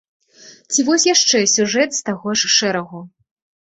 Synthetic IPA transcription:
t͡sʲivɔsʲjaʂt͡ʂɛsʲuʐɛt̪st̪aɣɔʂʂɛɾɐɣu

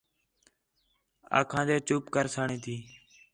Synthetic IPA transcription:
a̰ːkʰãːd̪eːt͡ʃuːpkəɾsaːɳĩːt̪ʰiː

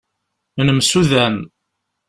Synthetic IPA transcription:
nəmsuðæn

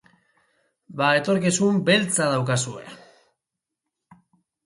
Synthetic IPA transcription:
baet̪o̞ɾkisumbe̞lt͡sað̞awkasue̞̰

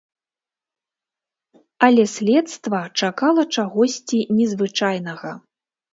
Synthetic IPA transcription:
ɐlʲɛsʲlʲɛt̪st̪vɐt͡ʂakalˠɐt͡ʂaɣɔsʲt͡sʲinʲɛzvɨt͡ʂajnɐɣɐ

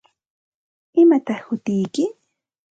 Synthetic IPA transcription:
ɪmat̪ɑχhʊt̪ɪjkɪ

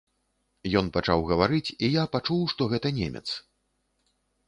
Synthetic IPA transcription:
jɔnpat͡ʂawɣɐvaɾɨt͡sʲijapat͡ʂuwʂt̪ɔɣɛt̪ɐnʲḛmʲɛ̰t̪s

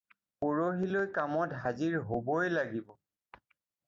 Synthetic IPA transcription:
poɹoɦilojkamɔtɦaziɹɦobɔjlaɡibɔ

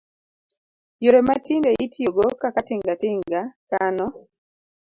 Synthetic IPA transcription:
joɾematindeʔitʰjoɡokakatiŋɡatɪŋɡakanɔ

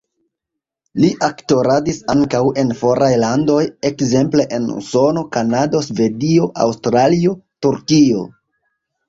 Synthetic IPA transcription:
liʔakto̞ɾadisaŋkawe̞nfo̞ɾajlando̞je̞kze̞mple̞ʔenṵso̞no̞kanado̞sve̞dio̞ʔa̰wstɾalio̞tuɾkio̞̰

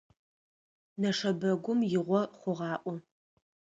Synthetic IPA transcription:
nɐʂɐbɐɡʷʊmjɪʁʷɔχʷʊʁɑːʔʷɔ

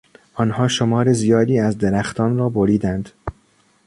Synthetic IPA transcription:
ʔɒːnhɒːʃomɒːɾezijɒːd̪iːæzd̪eɾæxt̪ʰɒːnɾɒːboɾiːd̪ænd̪̥

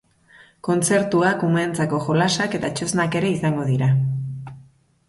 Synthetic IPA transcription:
ko̞nt͡se̞ɾt̪uakument͡sako̞xo̞lasake̞t̪at͡ʃo̞znake̞ɾe̞isaŋɡo̞ð̞iɾa

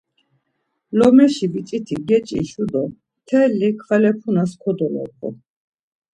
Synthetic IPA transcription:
lɔmɛʃivit͡ʃʼit̪ʰiɡɛt͡ʃʼḭʃud̪ɔmt̪ʰɛlːikʰχɛlɛpʰunaskʰɔd̪ɔlɔ̰qʰʼɔ̰

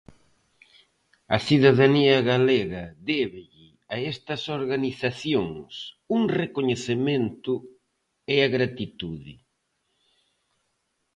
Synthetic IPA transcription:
ɐsiðaðaniɐɣaleɣɐðɛβɪʎɪ | aɛst̪ɐsoɾɣaniθaθjoŋs | uŋrekoɲeθemẽnt̪ʊ | eaɣɾat̪it̪uðɪ

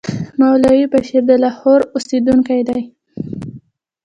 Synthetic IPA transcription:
mawlɑwipaʃeɾd̪əlɑhoɾʊsed̪uŋkajd̪aj

